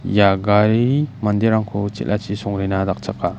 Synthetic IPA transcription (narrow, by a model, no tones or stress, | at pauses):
jaɡaɾimand̪eɾaŋkʰut͡ʃḛʔlʔat͡ʃisɔŋɾinadak̚t͡ʃakːa